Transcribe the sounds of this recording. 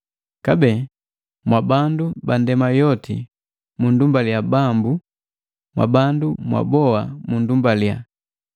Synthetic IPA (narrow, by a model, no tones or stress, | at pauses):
kabɛ | mwabandubandɛmajɔtḭ | mundumbaljabambu | mwa̰bandumwa̰bɔwamundumbalja